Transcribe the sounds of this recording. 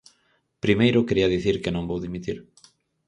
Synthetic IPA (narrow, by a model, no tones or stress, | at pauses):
pɾimejɾʊkeɾiɐðiθiɾkɪnõŋbowðimit̪iɾ